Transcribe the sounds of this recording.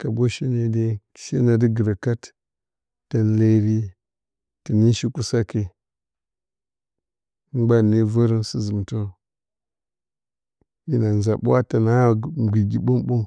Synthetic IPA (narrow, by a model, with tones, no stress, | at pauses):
ka˨bo˦ʃi˦ne˨˦de̥˦˨ | ʃe˦na˨di˦ɡə˨ɾa˨ka˦tː | a˨nle˦ɾi˦ | ti˨ni˦ʃi˦ku˦sa˦ke˨˦ | ɡ͡ba˦ni˦və˦ɾi˦nsi˦zu˨m˨to˦ | ji˨˦na˨n˨za˨ɓṵ˦a˦ta˨na˦˨ɡʷi˨ɡi˨ɓo˦mɓo˦m